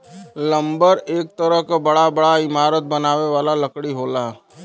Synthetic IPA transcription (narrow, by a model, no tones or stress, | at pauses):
lə̃mbəɾeːk̚t̪əɾəɦkabɐɽabɐɽaɪmaːɾət̪̚bɐnaːʋeʋaːlalɐkɽiɦoːlaː